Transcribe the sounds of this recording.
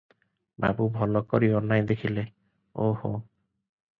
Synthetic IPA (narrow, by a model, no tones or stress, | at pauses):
ba̰bubʱɔlɔkoɾiɔnːajd̪ekʰile | oho̰